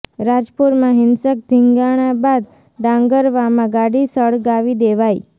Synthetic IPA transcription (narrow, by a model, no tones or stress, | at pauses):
ɾad͡ʒpuɾmãɦɪnsək̚d̪ʱiŋɡaɽ̃ãbad̪ | ɖãŋɡəɾʋamãɡaɽisəɭɡaʋid̪eʋaj